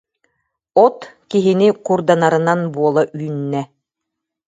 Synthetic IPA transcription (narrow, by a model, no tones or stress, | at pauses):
ɔt̪kiɦinikuɾd̪anaɾɯnanbuɔlˠaʔyːnːɛ